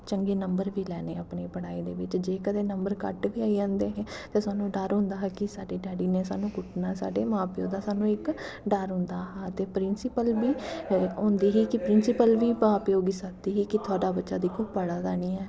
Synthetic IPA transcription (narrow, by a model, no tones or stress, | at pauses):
t͡ʃəŋɡeːnəmbəɾʋiːlɛːneːəpneːpəɽaːiːd̪ḛːʋɪt͡ʃd͡ʒeːkəd̪eːnəmbəɾkə̰ʈʋiːaːid͡ʒãːnd̪eːɦɛ̃ːt̪ãːsaːnũːɖəɾɦʊ̃nd̪aːɦɛːkɪsaːɖeːɖɛːɽiːneːsa̰ːnũːkʊʈʰnaːsa̰ːɖeːmãːpjoːd̪aːsaːnũːɪkɖəɾɦʊ̃nd̪aːɦaːt̪eːpɾɪnsɪpəlbiːʊ̃ːnd̪iːɦiːkɪpɾɪnsɪpəlʋiːbãːpjoːɡiːsək̚d̪iːɦiːkɪt̪ʰʊaːɖaːbətːʃaːd̪iːkʰʊːbpəɽaːd̪aːniːɛː